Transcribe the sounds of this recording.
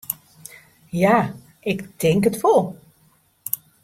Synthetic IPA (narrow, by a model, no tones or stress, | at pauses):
jaː | ɪkdɪŋkətfolˠ